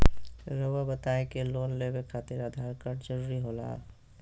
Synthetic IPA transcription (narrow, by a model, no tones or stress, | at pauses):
ɾowabət̪aːekeloːnlebekʰaːt̪ɪɾəd̪ʱaːɾkəɾd͡ʒəɾuːɾiɦoːla̰ː